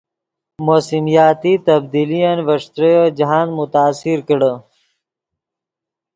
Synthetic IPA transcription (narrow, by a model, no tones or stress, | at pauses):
moːsimjɑːt̪it̪ɐbd̪ilijanvɐʂt̪ɾəjod͡ʒɦaːnd̪mʊt̪aːsiɾkəɽə